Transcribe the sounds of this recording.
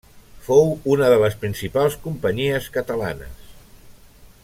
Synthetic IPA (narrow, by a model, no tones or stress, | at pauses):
fowunəðələspɾinsipalˠskumpəɲiəskət̪əla̰nə̰s